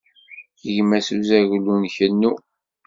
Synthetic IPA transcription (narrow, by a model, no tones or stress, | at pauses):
əʝmæsuzæʝlːunçənːu